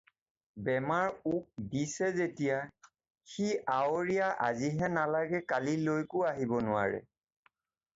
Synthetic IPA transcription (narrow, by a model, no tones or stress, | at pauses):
bɛmaɹuk̚disɛzetija | xiʔaoɹijaʔa̰ziɦɛnalaɡɛkalilojkʊaɦibɔnʊwa̰ɹɛ̰